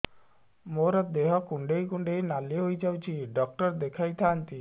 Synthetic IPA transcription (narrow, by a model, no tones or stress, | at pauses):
moɾɔd̪eɦɔkuɳɖejkuɳɖejnaliɦojd͡ʒawt͡ʃʰiɖɔk̚ʈɔɾd̪ekʰajt̪ʰant̪i